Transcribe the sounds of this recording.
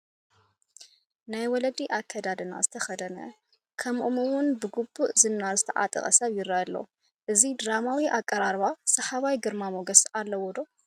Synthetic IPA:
najwɔlɐd̪iʔakʰːɐd̪ad̪ɨna̰zɨt̪ʰɐxɐd̪ɐnɐ̰ | kʰɐmʔumɨwʊnbɨɡubːuʔzɨnːazɨt̪ʰɐʔa̰t̪ʼɨ̰χʼɐ̰sɐβjɪɾajalːo̰ | ʔɨzid̪ɾamawiʔakʼːɐɾaɾβasɐħaβajɡɨɾmamoɡɐsʔalːɐwɔd̪o

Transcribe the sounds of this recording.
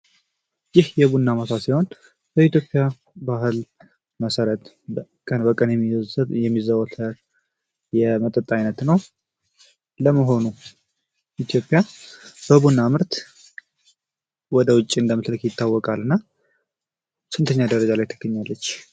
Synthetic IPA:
jɪhjɛβunːaməsʰasiho̞n | b̥əit̪jo̞pʼːija | baɦɨl | məsəɾət̪ | kʼənbəkʼənjɛmijɛmːizəwət̪ʰə | jɛmət̪ʼət̪ʼːajnət̪nəw | ləməɦo̞nu | ʔit̪ʰjo̞pʼːjab̥əbunːamɨɾt̪ | wɔd̪əwʊt͡ʃʼːiɨnd̪əmɨsləkjɪt̪ʰːawːɔkʼalɨnːa | sɨnt̪ʰəɲːad̪əɾəd͡ʒalajt̪ʰə̥ɡ̥ːəɲːalːət͡ʃː

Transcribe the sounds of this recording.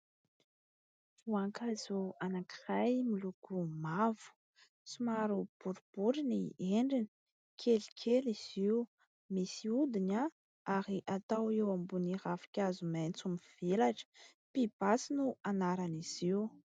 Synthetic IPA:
uaŋkazuanaki̥rajmilukumavu̥ | t͡simaɾub̥uɾub̥uɾinieɳɖ͡ʐini̥ | kʰelikʰeliz̥iu | misiud̪ina | aɾiʔat̪awewambuniɾafi̥kʲazumajnt͡sumiv̥elaʈ͡ʂə̥ | pib̥asinuanaɾaniz̥iw

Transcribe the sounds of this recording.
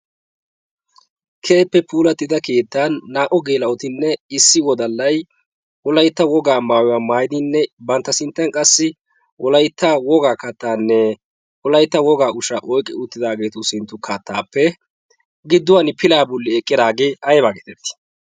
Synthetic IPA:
kʰe̞ːpːɛpuːlɐt̪ːɪd̪ɐke̞ːt̪ːaːnːaːʔɔɡe̞ːlɐɔt̪ɪnːɛɪsːɪwɔd̪ɐlːɐj | wɔlɐjt̪ːɐwɔɡaːmaːwɔwaːmaːjd̪ɪnːɛbɐnt̪ːɐsɪnt̪ːɐnkʼɐsːɪ | wʔɔlɐjt̪ːɐwɔɡaːkɐt̪ːaːnːɛ | wɔlɐjt̪ːɐwɔɡaːʊʃɐʔɔjkʼːɛ̰ʊt̪ːɪd̪aːɡe̞ːt̪ʊsɪnt̪ːʊkʰɐt̪ːaːpːɛ | ɡɪd̪ːʊwɐnpɪlaːbʊlːɪɛkʼːɪd̪aːɡeːɐjbaːɡeːt̪ɛt̪ːɪ̥

